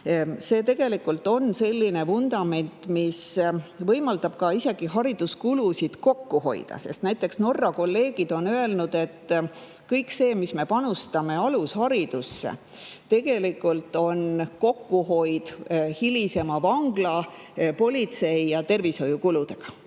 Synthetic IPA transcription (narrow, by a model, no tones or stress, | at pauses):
se̞ːt̪e̞ɡ̥e̞likːult̪ːˑo̞nse̞lʲːine̞vund̪ɑme̞nʲt̪ˑmisvɤjmɑld̪̥ɑb̥̚kɑise̞ɡ̥iɦɑɾid̪̥uskulusid̪̥ko̞kːuho̞̰j̰d̪̥ɑ̰se̞̰st̪næjt̪ːˑe̞ksno̞rːɑko̞lːe̞ːɡ̥id̪̥o̞nøe̞lnud̪̥e̞t̪ː | kɤjkse̞ːmisme̞pɑnust̪ɑme̞ɑlushɑɾid̪̥usːḛ | t̪e̞ɡ̥e̞likːˑult̪ːˑo̞nko̞kːuho̞jd̪̥hilise̞mɑvɑŋɡ̥lɑ | po̞lʲit̪se̞jjɑt̪e̞rvisho̞jukulud̪̥e̞ɡ̥ɑ̥